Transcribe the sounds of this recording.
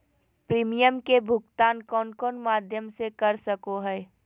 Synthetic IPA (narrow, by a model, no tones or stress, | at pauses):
pɾiːmijəmkebʱʊɡt̪aːnkɔːnkɔːnmaːd̪ʱjəmsekɐɾsəkoɦɛː